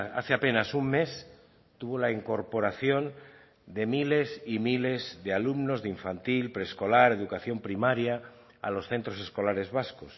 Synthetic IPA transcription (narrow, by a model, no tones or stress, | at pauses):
a̰θeape̞nasumme̞s | t̪uβo̞laiŋko̞ɾpo̞ɾaθjo̞n | d̪e̞mile̞simile̞zðe̞alumno̞zðeiɱfant̪ilpɾesko̞laɾe̞ðukaθjo̞mpɾimaɾja | a̰lo̞sθe̞nt̪ɾo̞se̞sko̞laɾe̞zβaskos